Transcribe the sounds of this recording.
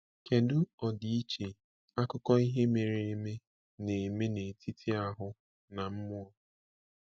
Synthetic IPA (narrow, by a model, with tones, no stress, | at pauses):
ke˨dʊ˦ɔ˨di˨i˦t͡ʃe˨ | a˦kʊ˦kɔ˦i˦ɦe˦me˨ɾe˨e˦me˦ | ne˨me˦ne˨tʰi˦tʰi˦a˨ɦʊ˦ | na˨m̩˦mʊ˦ɔ˦